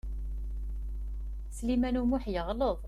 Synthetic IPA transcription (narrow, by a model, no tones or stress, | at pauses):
slimænumuħjəʁləðˤ